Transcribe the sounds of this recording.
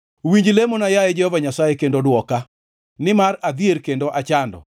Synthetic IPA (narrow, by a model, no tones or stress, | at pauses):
wiɲd͡ʒlemonajajɛd͡ʒɛhɔvaɲasajekendodwɔka | nɪmarad̪ieɾkendoʔat͡ʃandɔ̰